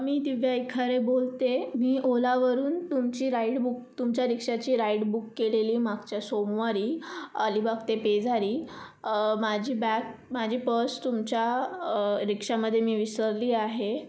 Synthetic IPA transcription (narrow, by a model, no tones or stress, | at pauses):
miːd̪iʋjaikʰaɾebolt̪emiːʔolaʋəɾuːnt̪umt͡ɕiːɾaiɽbuk̚t̪umt͡ɕjaɾikʂat͡ɕiːɾaiɽbukːeleliːmaɡt͡ɕjasomʋaɾiːaliːbaɡt̪eped͡zʱaɾiː | mad͡ʑʱiːbæk̚mad͡ʑʱiːpəst̪umt͡ɕja | ɾikʂaməd̪ʱːjemiːʋisəɾliːaɦe